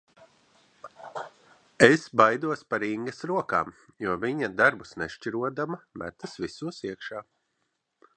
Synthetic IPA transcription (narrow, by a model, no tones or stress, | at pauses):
esbajd̪uɔspaɾiŋɡɐsɾuɔka̰ːmjuɔviɲad̪aɾbusneʃt͡ʃʲiɾuɔd̪amamæ̰t̪ɐsvisuɔsiɛkʃaː